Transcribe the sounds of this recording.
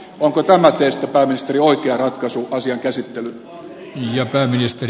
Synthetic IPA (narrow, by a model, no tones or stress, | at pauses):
oŋkot̪æmæt̪eist̪ːæpæːminist̪erioikeɑrɑt̪kɑsuʔɑsiɑŋkæsit̪ːely | niːjɑpæːminist̪er